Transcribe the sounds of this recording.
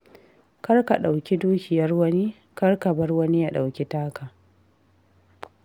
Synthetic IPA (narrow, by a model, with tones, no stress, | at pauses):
kɐ˦rka˨ɗa˨wkʲi˦duː˦kʲɪ˨jɐ˦rwɐ˦ni˦ | kɐ˦rka˨bɐ˦rwɐ˦ni˦ja˦ɗa˨wkʲi˦taː˦kaː˨